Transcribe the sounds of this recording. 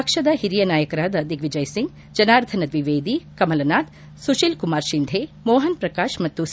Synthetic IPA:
ɐkʂɐd̪ɐɦiɾijɐnaːjɐkɐɾaːd̪ɐɐd̪ʱikʋid͡ʒɐjsiŋɡ | d͡ʒɐnaːɾt̪ʰɐnɐd̪ʋiʋeːd̪ikɐmɐlɐnaːt̪ | suʃilkumaːɾʃind̪ʱeːmoːɦɐnpɾɐkaːʃmɐt̪ːu

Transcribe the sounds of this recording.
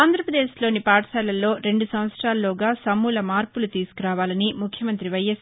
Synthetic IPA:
aːnd̪ʱɾɐpɾɐd̪eːslo̞ːnipaːʈɐsɛːlɐlːo̞ːɾe̞ɳɖusɐmʋɐt̪sɾaːlːoːɡaːsɐmːuːlɐmaːɾpulut̪iːsu̥kuɾaːʋaːlɐnimukʰjɐmɐnt̪ɾiʋɐjɐs

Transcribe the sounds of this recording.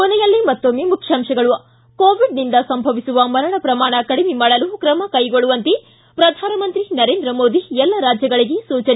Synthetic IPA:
kɔnɛjɐlːimɐt̪ːomemukʰʂjaːmʂɐɡɐɭuɐ | koːʋiɖnind̪ɐsɐmbʱɐʋisuʋɐmɐɾɐɳɐpɾɐmaːɳɐkɐɽimimaːɽɐlukɾɐmɐkɐjɡoɭuʋɐnt̪e | pɾɐd̪ʱaːnɐmɐnt̪ɾinɐɾe̞ːnd̪ɾɐmo̞ːd̪iɛlːɐɾaːd͡ʒjɐɡɐɭiɡesuːt͡ʃɐne

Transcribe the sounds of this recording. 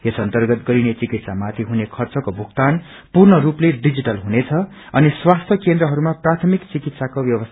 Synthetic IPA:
esʌnt̪ʌrɡʌt̪ɡʌɾinet͡sikit̪samat̪ʰiɦunekʰʌrt͡sʌkobʱuɡt̪an | purnʌɾupleɖid͡ziʈʌlɦunet͡sʰʌ | ʌniswast̪ʰjʌkend̪ɾʌɦʌɾumaprat̪ʰʌmikt͡sikit̪sakobjʌwʌst̪ʰ

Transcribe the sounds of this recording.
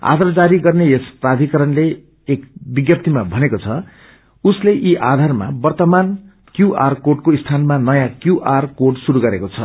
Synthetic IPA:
a̰d̪ʱard͡zaɾiɡʌrnejesprad̪ʱikʌɾʌnle | ekbiɡjʌp̚t̪imabʱʌnekot͡sʰʌ | usleʔiʔa̰d̪ʱarma̰bʌrt̪ʌman | kjuʔarkoɖ̚koist̪ʰanmanʌjãkjuʔarkoɖsuɾuɡʌɾekot͡sʰʌ̰

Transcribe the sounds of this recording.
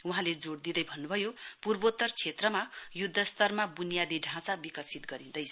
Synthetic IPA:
uɦãled͡zoɽd̪id̪ʌjbʱʌnːubʱʌjopurbot̪ːʌrt͡sʰet̪rʌmajud̪ʱːʌst̪ʌrmabunijad̪iɖʱãt͡sabikʌsit̪ɡʌɾĩnd̪ʌjt͡sʰ

